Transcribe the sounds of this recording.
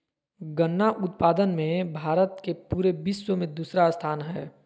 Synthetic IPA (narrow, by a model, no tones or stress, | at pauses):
ɡənːaʔʊt̪paːd̪ənmẽbʱaːɾət̪kepuːɾebiːsːomẽd̪uːsɾast̪ʰaːnɦɛː